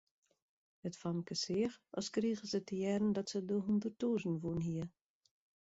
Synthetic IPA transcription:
ətfɔmkəsɪəxɔ̰skriːɣəsətəjɛɾən̩dɔtsədəɦundərtuːzn̩ʋunɦiə

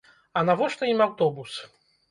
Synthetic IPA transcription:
ɐnavɔʂnɨimawt̪ɔbus

